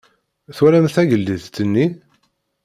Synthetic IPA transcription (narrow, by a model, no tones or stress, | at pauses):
θwæɾæmθæʝəlːiðt̪ːənːi